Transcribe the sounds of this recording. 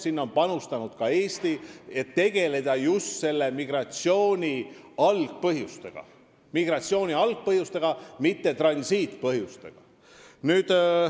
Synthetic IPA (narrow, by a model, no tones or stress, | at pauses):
sinːo̞npɑnust̪ɑnud̪̥kɑe̞ːst̪ie̞t̪ːe̞ɡ̥e̞le̞d̪̥ɑjust̪se̞lːe̞miɡ̥rɑt̪sio̞ːnʲi | ɑlɡ̥̚pɤɦjust̪e̞ɡ̥ɑ̰ | miɡ̥rɑt̪ʲsio̞ːnʲiɑlɡ̥̚pɤɦjust̪e̞ɡ̥ɑmit̪ːe̞t̪rɑnʲsiːt̪pɤɦjust̪e̞ɡ̥ɑ | nyːd̪̥